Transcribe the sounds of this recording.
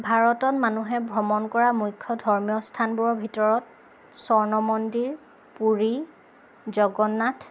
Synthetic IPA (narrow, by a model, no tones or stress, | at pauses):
bʱaɹɔtɔnmanuɦɛbʱɹɔmɔnkɔɹamujkʰːɔdʱɔɹmjɔstʰanbuɔbʱitɔɹɔt̚ | sɔɹnɔmɔndiɹ | puɹi | zɔɡɔnːatʰ